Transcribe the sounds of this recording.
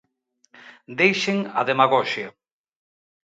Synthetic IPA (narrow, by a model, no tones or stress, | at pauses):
d̪ejʃeŋɐ̰ðemaɣɔʃjɐ